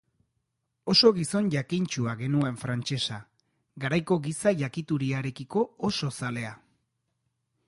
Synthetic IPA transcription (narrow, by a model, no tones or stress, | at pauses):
o̞so̞ɣiso̞nʝakint͡ʃuaɣe̞nue̞ɱfɾant͡ʃe̞sa | ɡaɾajko̞ɣisaʝakit̪uɾiaɾe̞kiko̞ːso̞sale̞a